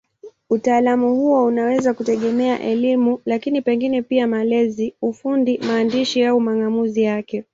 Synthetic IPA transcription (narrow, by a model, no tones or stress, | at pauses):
utaːlamuhuɔunawɛzakutɛɠɛmɛa̰ʔɛlimulakinipɛŋɡinɛpiamalɛziufundimaːndiʃiaumaŋɡamuzijakɛ